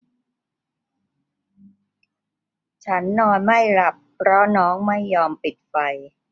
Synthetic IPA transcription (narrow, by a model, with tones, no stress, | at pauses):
t͡ɕʰa˦˥nːɔː˧nma˥˩jɾa˨˩pʰ | ɾɔ˦˥nɔː˦˥ŋma˥˩jːɔː˧mpi˨˩t̪̚fa˧j